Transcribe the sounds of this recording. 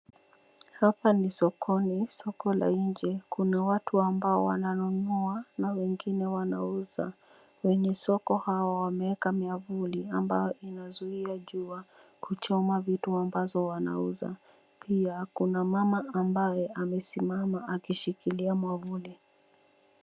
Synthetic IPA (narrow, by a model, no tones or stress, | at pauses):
hapanisɔkʰɔnisɔkɔla̰ind͡ʒɛkunawatʰuambaɔwa̰nanunuanawɛŋɡinɛwanauza̰ | wɛɲɛsɔkɔhaɔwamɛɛkamiavuliambajɔinazuiaʄuakut͡ʃɔmavituambazɔwana̰uza̰ | pʰiakunamamaːmbajɛʔamɛsimamaʔakiʃikiliamwavuli